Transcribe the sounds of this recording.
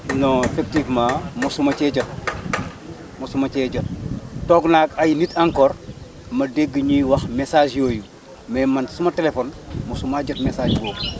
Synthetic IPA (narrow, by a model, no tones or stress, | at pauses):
noefɛk̚tifmãːmusumɐt͡ʃɛɟɐt̚ | musumɐt͡ʃɛːɟɐttɔːɡnakɐjnitʰɐŋkɔːr | mɐdeɡːəɲiwɐxmesaːd͡ʒjoːju | mɛːmɐnsumɐtelefonmusumaɟɐtmɛsaːd͡ʒɡoː